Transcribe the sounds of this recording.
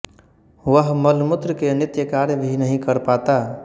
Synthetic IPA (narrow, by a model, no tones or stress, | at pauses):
ʋəɦməlmʊt̪ɾəkenɪt̪jəkaːɾjəbʱinəɦĩkəɾpaːt̪a